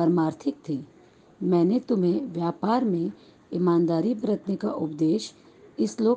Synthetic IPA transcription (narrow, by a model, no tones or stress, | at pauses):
əɾmaːɾt̪ʰɪk̚t̪ʰiː | mɛ̃ːnet̪ʊmɦẽʋjaːpaːɾmẽ | ɪmãːnd̪aːɾipəɾət̪neka̰ʔʊpd̪eːʃ | ɪsloː